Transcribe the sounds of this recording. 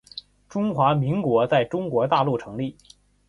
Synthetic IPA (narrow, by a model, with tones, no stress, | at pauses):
ʈ͡ʂʊ˥ŋxwa˧˥mi˧˥ŋkwɔ˧˥t͡sa˥˩ɪʈ͡ʂʊ˥ŋkwɔ˧˥t̪a˥˧lu˥˩ʈ͡ʂʰɤ˧˥ŋli˥˩